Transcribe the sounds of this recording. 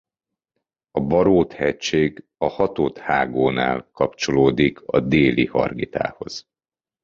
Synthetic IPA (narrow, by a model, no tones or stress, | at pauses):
ɒbɒɾoːt̪hɛct͡ʃeːɡ | ɒhɒt̪oːt̪haːɡoːna̰ːlkɒpt͡ʃo̞loːd̪ikʰɒd̪eːlihɒ̰rɡit̪a̰ːho̞̰z̥